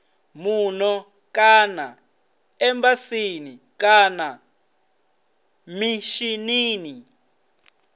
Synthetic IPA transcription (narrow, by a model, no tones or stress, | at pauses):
munɔ | kana | ɛmbasini | kana | miʃiniːni